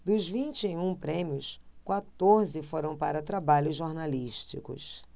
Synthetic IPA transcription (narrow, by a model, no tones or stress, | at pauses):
d̪ʊzvĩnt͡ʃɪeũpɾẽmiʊskwat̪oɾzɪfoɾɐ̃w̃paɾɐt̪ɾabaʎʊzʒːoɾnaliʃt͡ʃikʊ̰s